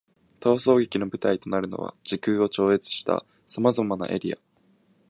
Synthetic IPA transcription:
t̪o̞ːso̞ːɡe̞kʲino̞bɯ̟t̪ait̪o̞naɾɯ̟no̞̰βa̰ʑikɯːo̞t͡ɕo̞ːe̞t͡sɨ̥ɕi̥t̪a̰ | samazamana̰ʔe̞ɾʲḭa̰

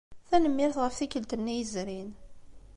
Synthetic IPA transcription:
θænəmːɪɾθʁəfθikəlt̪ənːijəzɾin

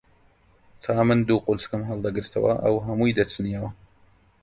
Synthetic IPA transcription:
t̪ʰaːmɨnd̪uːqʊlskɨmɦɐlˠd̪ɐɡɨɾt̪ʰɐ̰wɐ̰ʔɐ̰wɦɐmuːjd̪ɐt͡sɨnijɐwɐ

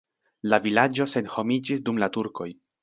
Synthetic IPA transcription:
lavilad͡ʒo̞se̞nho̞mid͡ʒisdumlatuɾko̞̰j

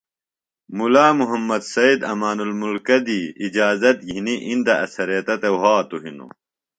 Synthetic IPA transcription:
mulaːmuɦɐmːɐd̪sɐid̪ɐmaːnulmulkɐd̪iid͡ʑaːzɐt̪jiɦiniʔind̪ɐɐsɐɾiɐt̪ɐt̪ewɦaːt̪uɦino̰

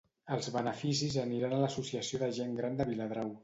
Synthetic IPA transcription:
əlˠzβənəfisizəniɾanələsusiəsioðəʒeŋɡɾand̪əβiləð̞ɾaw

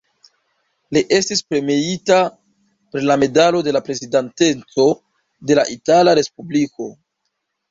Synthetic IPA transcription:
liʔe̞stispɾe̞miita | pɾilame̞dalo̞de̞lapɾe̞zidante̞nt͡so̞ | de̞laʔitalaɾe̞spubliko̞

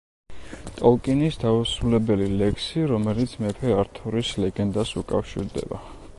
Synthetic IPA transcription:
t̪ʼɔlˠkʼinisd̪ausɾulɛbɛlilɛkʰsiɾɔmɛlit̪sʰmɛpʰɛaɾt̪ʰɔɾislɛɡɛnd̪asṵkʼa̰fʃḭɾd̪ɛ̰ba̰

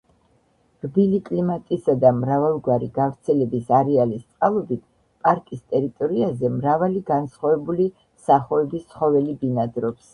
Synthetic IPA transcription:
rbilikʼlimat̪ʼisad̪amɾavalˠɡwaɾiɡafɾt̪sʰɛlɛbisaɾɛalist̪sʼqʼalˠɔbit̪ʰ | pʼaɾkʼist̪ʼɛɾit̪ʼɔɾiazɛmɾavaliɡansχwavɛbuli | saχɔɛbist̪sχɔvɛlibinad̪ɾɔps

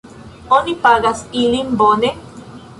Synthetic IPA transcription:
onipaɣasilimbone

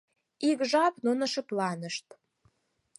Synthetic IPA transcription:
ikʒɑpnunəʃɤ̆plɑnəʃt̪̚

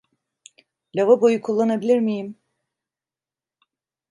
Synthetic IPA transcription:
lʲavabojukʰulˠːanabilʲiɾmijim

